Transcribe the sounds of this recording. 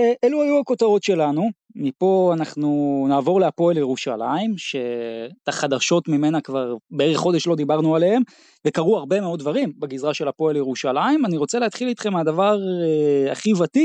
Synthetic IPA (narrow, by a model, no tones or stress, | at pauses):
eʔeluajuako̞t̪aʁo̞t̪ʃe̞lanu | mipo̞anaχnunaːvo̞ʁleapo̞eljeʁuʃa̰laimʃe̞taχad̪aʃo̞tmime̞nakvaʁbee̞eχːo̞d̪e̞ʃlo̞d̪ibaʁnuale̞he̞m | ve̞kaʁuaʁbe̞meo̞d̚d̪vaʁimbeɡizʁaʃe̞lapo̞eljeʁuʃalaimaniʁo̞t͡seleat̪χilit̪χe̞mad̪avaʁea̰χivati